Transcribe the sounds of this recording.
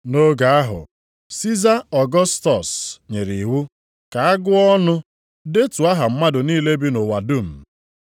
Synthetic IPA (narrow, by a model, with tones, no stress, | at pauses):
no˦ɡa˨a˦ɦʊ̰˨ | si˦za˦ɔ˨ɡɔ˦stɔ˨sɲe˨ɾi˨wu˦ | ka˨a˦ɡʊ˦ɔ˦nʊ˦ | de˦tu˨a˦ɦa˨m̩˦ma˦dʊ˨niː˦le˦bi˦no˨wa˨du˦˨m̩˨